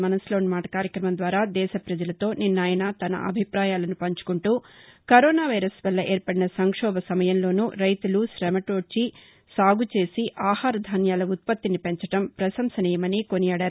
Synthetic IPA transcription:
mɐnɐslo̞ːnmaːʈɐ̥kaːɾjɐkɾɐmɐnd̪ʋaːɾaːd̪ɛːʃɐpɾɐd͡ʒɐlɐt̪o̞ːninːaːjɐnaːt̪ɐnɐ̰ʔɐ̰bʱipɾaːjaːlɐnupɐɲt͡ʃu̥kuɳʈuːkɐɾɔːnaːʋɐjɾɐsʋɐlːɐʔeːɾpɐɽinɐsɐŋkʂɔːbɐsɐmɐjɐmlo̞ːnuɾɐjt̪uluʃɾɛmɐʈoːt͡ʃi | saːɡut͡ʃe̞ːsiʔaːhaːɾɐd̪ʱaːnjaːlɐut̪̚pɐt̪ːinipeɲt͡ʃɐʈɐmpɾɐʃɐmsɐnɛːjɐmɐniko̞nijaːɽaːɾu

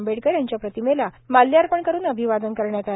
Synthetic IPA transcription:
mbʱeʈkəɾjaɲt͡ɕjapɾət̪imela | malːjaɾpəɳkəɾuːnəbʱiʋad̪ənkəɾɳjat̪a

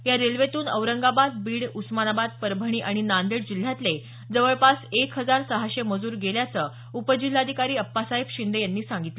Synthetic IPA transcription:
jaɾelʋet̪uːnəʋɾəŋɡabad̪̚biːɽusmanabad̪̚pəɾbʱəɽ̃iːʔaɽ̃inand̪eɽd͡ʑil̤ːjat̪le | d͡zəʋəɭpasekɦəd͡zaɾsəɦaɕeməd͡zuːɾɡeljat͡sə | upəd͡ʑil̤ːad̪ʱikaɾiːəpːasaibɕind̪ejanːiːsãŋɡit̪lə

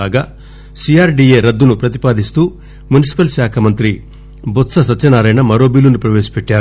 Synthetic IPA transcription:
aːɡaː | sijaːɾɖiːeːɾɐd̪ːunupɾɐt̪ipaːd̪ist̪uː | munisi̥pɐlʃaːkʰɐmɐnt̪ɾi | bɔt̪sɐsɐtːt͡ʃːɐnaːɾɐjnɐmɐɾo̞ːbiːlunipɾɐʋeːsɐ̥pɛʈːaːɾu

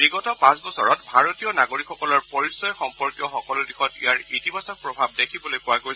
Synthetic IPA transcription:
ɹiɡɔtɔpãsbɔsɔɹɔtbʱaɹotijɔnaɡoɹikxɔkɔlɔɹpɔɹisɔjxɔmpɔɹkjɔxɔkɔlʊdixɔtḭjaɹitimasɔk̚pɹɔbʱab̚dekʰibɔlojpʊwaɡoj

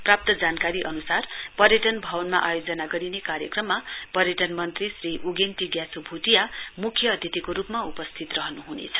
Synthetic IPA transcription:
prap̚t̪ʌd͡zankaɾiʔʌnusarpʌrjʌʈʌnbʱʌwʌnma̰ʔajod͡zʌnaɡʌɾinekaɾjʌkrʌmːapʌrjʌʈʌnmʌnt̪risriʔuɡent̪iɡjasobʱuʈijamukʰːjʌːd̪ʱjʌt̪ikoɾupmaupʌst̪ʰit̪rʌɦʌnuɦunḛt͡sʰʌ̥

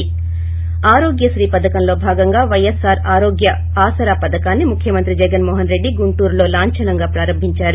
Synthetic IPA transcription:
aːɾoːɡjɐʃɾiːpɐd̪ɐkɐmlo̞ːbʱaːɡɐŋɡaːʋɐjesaːɾaːɾoːɡjɐ | aːsɐɾaːpɐd̪ɐkaːnːimukʰjɐmɐnt̪ɾid͡ʒɛɡɐnmɔːɦɐnɾe̞ɖːiɡuɳʈuːɾlo̞ːlaːɲt͡ʃɐlɐŋɡaːpɾaːɾɐmbʱiɲt͡ʃaːɾu

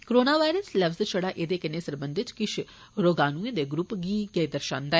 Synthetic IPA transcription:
koɾoːnaːʋaːiɾəsləʋzt͡ʃʰəɽaːʔed̪eːkɪneːsəɾbə̃nd̪ɪt̪kɪʃʰ | ɾoːɡaːnũẽːd̪eːɡɾʊpɡiːɡed̪əɾʃã̰ːnd̪aɛː

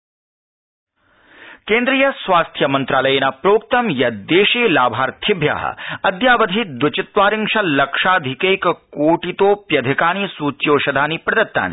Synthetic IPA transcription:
keːnd̪ɾijɐsʋaːst̪ʰjɐmɐnt̪ɾaːlɐjenapɾoːk̚t̪ɐmjɐd̪eːʃeːlaːbʱaːɾt̪ʰɪbʱja̰ːɦɐ̰ɐd̪jaːʋɐd̪ʱid̪ʋɐt͡ʃɪt̪ʋaːɾɪŋʂɐlɐkʂaːd̪ʱikeːjkkoːʈit̪oːpjɐd̪ʱɪkaːnisuːt͡ʃjoːʃɐd̪ʱaːnipɾɐd̪ɐt̪ːa̰ːnḭ

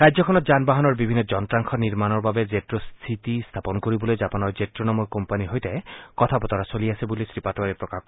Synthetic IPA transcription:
ɹajzɔkʰɔnɔtzanbaɦɔnɔɹbibʱinːɔzɔntɹaŋkxʰɔniɹmanɔɹbabɛzetɹost̪ʰitist̪ʰapɔnkoɹibɔlojzapanɔɹzetɹonamɔɹkɔmpaniɦojtɛkɔt̪ʰapɔt̪aɹasoliasɛbulisɹipatɔaɹɛpɹɔka

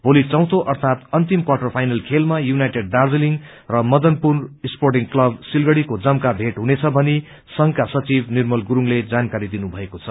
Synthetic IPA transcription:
bolit͡sʌw̃t̪ʰoʔʌrt̪ʰat̪ʌnt̪imkwaʈʌrpʰajnʌlkʰelmajunajʈeɖ̚ːard͡zeliŋ | rʌmʌd̪ʌnpurnisporʈiŋklʌbsilɡʌɽikod͡zʌmkabʱeʈɦunet͡sʰʌbʱʌni | sʌŋkasʌt͡sibnirmʌlɡuɾuŋled͡zankaɾid̪inubʱʌekot͡sʰʌ

